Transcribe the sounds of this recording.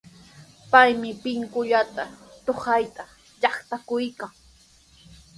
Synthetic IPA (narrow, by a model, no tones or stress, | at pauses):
pajmɪpɪŋkʊʎat̪at̪oχajt̪a | ʎɑχt̪akʊjkaŋ